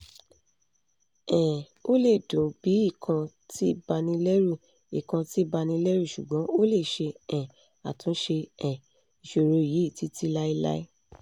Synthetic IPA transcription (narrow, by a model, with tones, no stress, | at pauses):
ɛ̃˨ | o˦le˦˨dõ˨˦bi˨˦i˦˨kʰã˧ | ti˦ba˧nĩ˧lɛ˦ɾu˦˨ | i˨kã˧ti˦ba˧nĩ˧lɛ˦ɾu˦˨ʃṵ˨ɡ͡bɔ̃˨˦o˦le˦˨ʃe˧ɛ̃˨ | a̰˨tũ˨˦ʃe˧ɛ̃˨ | i˨ʃo˧˨ɾo˧˨ji˨˦i˦˨ti˨˧ti˦la˦i˧la̰˦i˦